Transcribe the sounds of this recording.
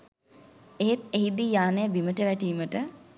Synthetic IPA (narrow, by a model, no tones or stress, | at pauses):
eɦet̪eɦid̪ijaːnəjəbiməʈəʋæʈiːməʈə